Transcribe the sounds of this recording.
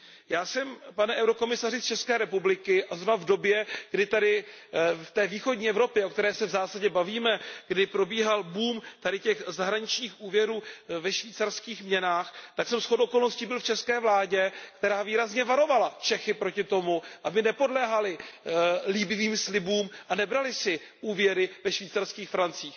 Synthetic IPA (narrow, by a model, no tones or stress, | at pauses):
jaːsɛmpanɛʔɛwɾo̞ko̞mɪsarɪst͡ʃɛskɛːɾɛpublɪkɪʔazɾonavdo̞bjɛɡ̥dɪt̪adɪ | ft̪ɛːviːxo̞dɟɲiːɛvɾo̞pjɛʔokt̪ɛɾɛːsɛvzaːsaɟɛbaviːmɛɡ̥dɪpɾo̞biːɦalbuːmt̪adɪcɛxzaɦɾaɲɪt͡ʃɲiːxʔuːvjɛɾuːvɛʃviːt͡saɾskiːxmɲɛnaːxt̪aksɛmsxodʔoko̞lno̞scibɪlft͡ʃɛskɛːvlaːɟɛkt̪ɛɾaːviːɾazɲɛvaɾo̞valat͡ʃɛxɪpɾo̞cɪt̪o̞muʔabɪnɛpo̞dlɛːɦalɪ | liːbɪviːmslɪbuːmʔanɛbɾalɪsɪ | ʔuːvjɛɾɪvɛʃviːt͡sarskiːxfɾant͡siːx